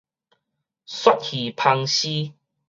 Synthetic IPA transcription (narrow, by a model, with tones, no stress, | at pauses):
swa˦t̚hi˨˩pʰa˧ŋɕi˦